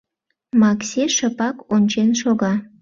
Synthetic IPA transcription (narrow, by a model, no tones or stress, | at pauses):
mɑksʲeʃə̆pɑkonʲt͡ɕenʃoɣɑ